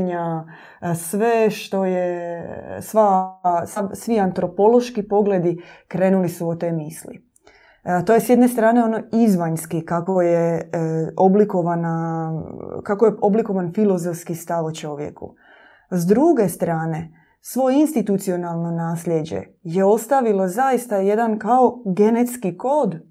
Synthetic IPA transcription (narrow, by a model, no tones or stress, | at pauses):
ɲa | sʋeʃt̪o̞je | sʋasasʋiant̪ɾo̞po̞lˠo̞ʃkipo̞ɡled̪ikɾeːnulisuot̪e̞jmislḭ | t̪ojesjed̪ne̞st̪ɾaːne̞onoizʋaɲskikakoje | oblikoʋana | kakojeo̞bliko̞ʋanfilo̞zofskist̪aʋot͡ʃo̞ʋjḛkṵ | zd̪ɾuɡe̞st̪ɾaːne̞ | sʋo̞jeinst̪it̪ut̪sio̞nalˠno̞naːsʎʲjed͡ʑḛ | jeo̞st̪aʋilo̞zajist̪aje̞d̪ankao̞ɡe̞net̪skiko̞ːd̪